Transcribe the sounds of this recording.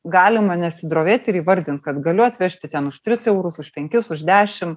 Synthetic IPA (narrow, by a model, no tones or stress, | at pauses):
ɡɑːlʲɪmɐnʲɛsʲɪd̪ɾoːʋʲeːt̪ʲɪɾiːʋɐɾʲd̪ʲɪnt̪̚kɐt̪ɡɐlʲʊɐt̪ʲʋʲɛʃʲt̪ʲɪt̪ʲɛnʊʃt̪ʲɾʲɪsɛʊɾʊsʊʃpʲɛŋʲkʲɪsʊʒd̪ʲæːʃʲɪm